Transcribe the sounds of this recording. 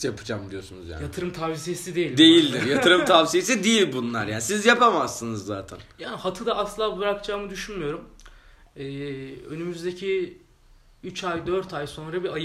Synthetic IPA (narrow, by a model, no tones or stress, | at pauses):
japʰɯd͡ʒamd̪ijo̞sunṵzja̰njat̪ʰɯɾɯmt̪ʰavsijesid̪e̞jilʲd̪e̞jilʲd̪iɾjat̪ʰɯɾɯmt̪ʰavsijesid̪ijilʲbunlˠaɾjaːnisizjapamasːɯnɯzːaːt̪ʰæ̰njaːnihat̪ʰɯd̪aʔasllˠaːbɯɾakt͡ʃʰaːmɯd̪yʃynmyjo̞ɾum | ɛːø̞nymyzd̪e̞cʰi | yt͡ʃajd̪øɾt̪ajso̞nɾabiaj